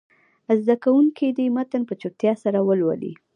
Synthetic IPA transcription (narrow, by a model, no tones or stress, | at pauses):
əzd̪akawuŋkid̪əimat̪anpət͡ʃut̪jɑsaɾawəlwa̰lḭ